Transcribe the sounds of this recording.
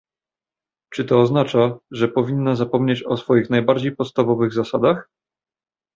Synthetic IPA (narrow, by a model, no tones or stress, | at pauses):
t͡ʂɘt̪ɔːznat͡ʂaʐɛpɔvʲinːazapɔmɲet͡ɕɔsfɔjixnajbaɾd͡ʑejpɔt̪st̪avɔvɘɣzasad̪ax